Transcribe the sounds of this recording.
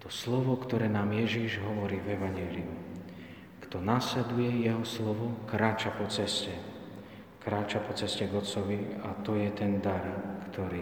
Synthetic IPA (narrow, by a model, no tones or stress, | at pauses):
t̪ɔslɔʋɔkt̪ɔɾɛːnaːmjɛʒiʒɦɔʋɔɾiːvɛʋaɲɪjɛːliu | kt̪ɔnaslɛd̪ujɛjɛɦɔslɔʋɔkɾaːt͡ʃapɔt͡sɛscɛ | kɾaːt͡ʃapɔt͡sɛscɛɡɔt͡sɔʋia̰t̪ɔjɛt̪ɛnd̪aɾkt̪ɔɾiː